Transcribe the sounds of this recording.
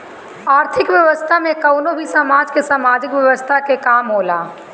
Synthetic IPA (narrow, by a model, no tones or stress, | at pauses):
aːɾt̪ʰɪkʋjəʋəst̪ʰamẽkəʊnobʱisamaːd͡ʒkesaːmaːd͡ʒɪkʋjəʋəst̪ʰakekaːmɦoːlaː